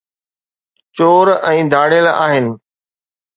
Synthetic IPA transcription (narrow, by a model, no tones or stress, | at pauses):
t͡ɕoːɾɛ̃ːd̪ʱaːɽelaːɦɪnɪ̆